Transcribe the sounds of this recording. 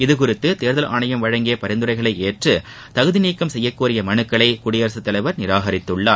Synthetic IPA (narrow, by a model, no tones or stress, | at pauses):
ɪðɯkʊrɪt̪ːɯt̪eːɾðɐlʔa̰ːɳɐjɐmʋɐɻɐŋɡɪjɐpɐɾɪnd̪ɯɾɐɪɣɐɭɐɪeːʈrɯ | t̪ɐɣɯðɪniːkːɐmsɛjːɐkːuːɾɪjɐmɐɳɯkːɐɭɐɪkʊɽɪjɐɾɐsɯt̪ːɐlɐɪʋɐɾnɪɾaːɣɐɾɪt̪ːɯɭːaːɾ